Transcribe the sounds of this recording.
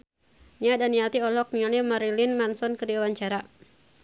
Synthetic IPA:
niadaniat̪iɔlɔk̚niŋalimaɾilinmansɔnkədiwawaɲt͡ʃaɾa

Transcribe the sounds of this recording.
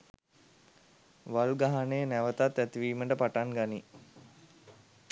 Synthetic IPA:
ʋaluɡaɦanejənæʋət̪at̪ːæt̪iʋiːməʈəpaʈaŋɡani

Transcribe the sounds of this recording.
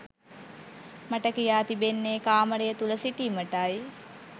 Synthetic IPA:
maʈəkijaːt̪ibenːeːkaːməɾejət̪uləsiʈiːməʈaj

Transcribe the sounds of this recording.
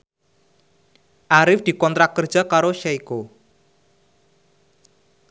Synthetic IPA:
ʔaɾɪfd̪̥i̤kɔnt̪ɾakkːərd̥ʒ̥a̤kaɾoʃaiko

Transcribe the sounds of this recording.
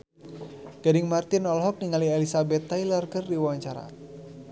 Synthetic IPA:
ɡ̥adɪŋmart̪ɪnɔlɦɔk̚niŋalielisabɛt̪ːajlɔrkərdiwaɲt͡ʃaɾa̰

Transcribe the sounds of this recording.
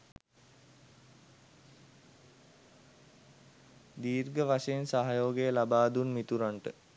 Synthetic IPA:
d̪iːrɡəʋaʂejensaɦajoːɡejəlabaːd̪unmit̪uɾaɳʈə

